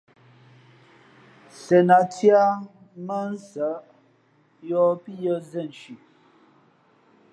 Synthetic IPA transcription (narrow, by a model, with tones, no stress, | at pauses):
sɛ˨na˨tja˦ | mə˦n̩˦sə˨˦ | jɔ˦pi˦jə˦zɛ˦˨n̩˨ʃi˨